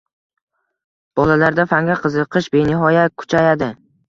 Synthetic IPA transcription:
b̥ɒlalaɾd̪afaŋɡʲaqʰɨzɨqʰɨʃbenɪɦɒjat̪̚kʰʊ̥t͡ʃʰajad̪ɪ

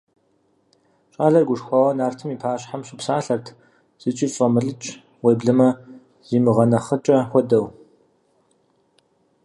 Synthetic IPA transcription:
ɕʼaːɮɐrɡʷʊʂxʷɑʁɐnaːrtʰɨmiːpʰaːɕħamɕɪpsaːɬɐrtʰ | z̥ɨt͡ʃʼiːfʼɐmɨɮɨt͡ʃʼ | weːbɮɨmɐ | z̥iːmɨʁɐnɐχət͡ʃʼɐxʷɔdɐw

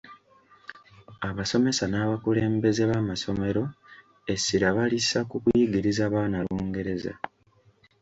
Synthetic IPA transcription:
aβaso̞me̞sanaːβakule̞ːmbe̞ze̞βaːmaso̞me̞ɾo̞ | e̞sːiɾaβalisakukwjiɡiɾizaːβaːnaluːŋɡe̞ɾe̞za̰

